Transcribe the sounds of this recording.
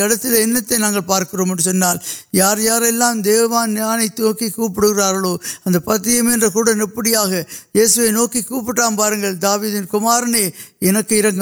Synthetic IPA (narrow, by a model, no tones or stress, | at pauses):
ɛɽɐt̪ːɪlɐɛnːɐt̪ːɐɪnaːŋɡɐɭpaːɾkɪroːmɛndrɯsɔnːaːljaːɾjaːɾɛlːaːmd̪eːʋɐʋaːnːjaːnɐɪt̪ːoːkikuːp̬ːɪɽɯɣɪraːɾɣɐɭoːɐnd̪ɐpɐt̪ːɪjɐmɛndrɐkuːɽɐnɛpːɐɽɪjaːɣɐjeːsɯʋɐɪnoːkikːuːp̬ːɪʈːaːmpaːɾɯŋɡɐɭd̪aːʋiːðɪnkʊmaːɾɐneːɛnɐkːɯɪɾɐŋɡɐ